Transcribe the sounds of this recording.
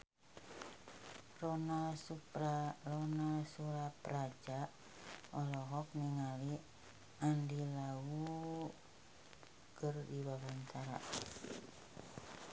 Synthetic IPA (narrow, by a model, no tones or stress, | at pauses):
rɔnasupɾalɔnasuɾapɾad͡ʒa | ɔlɔɦɔk̚niŋali | andilawu | kərdiwawant̪aɾa̰